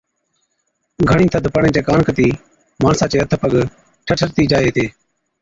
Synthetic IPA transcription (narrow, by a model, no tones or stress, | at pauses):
ɡʱəɳ̃ĩːt̪ʰəd̪ʱpəɳẽːt͡ʃeːkaːnkət̪iː | maːɳsãːt͡ʃeːət̪ʰəpəɠ | ʈʰəʈʰəɾt̪iːd͡ʒaːeːt̪ʰeː